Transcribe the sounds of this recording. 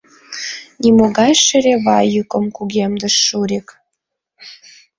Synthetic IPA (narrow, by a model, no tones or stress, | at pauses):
nʲimoɣɑjʃə̆ɾeβɑjːukə̆mkuɣʲemd̪ə̆ʃːuɾik